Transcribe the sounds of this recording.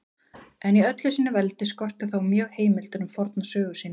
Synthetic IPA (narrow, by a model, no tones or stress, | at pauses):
ɛniœt̪lʏsiːnːɪvɛlt̪ɪskɔr̥t̪ʏθawmjœːɣheːjmɪlt̪ʏɾʏmfɔɾt̪nasœːɣʏsiːn